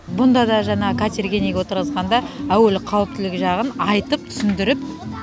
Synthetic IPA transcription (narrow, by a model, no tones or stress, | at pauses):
bʊnd̪ɑd̪ɑʒɑɴɑʁəkʰat̪ʲerɡʲeniewo̞t̪əɾʁəzʁɑnd̪ɑæwelɪqʰɑwəp̚t̪ɪlɪkʲɪʒɑʁənɑjt̪əp̚t̪ʰʏ̥sɪnd̪ɪɾɪp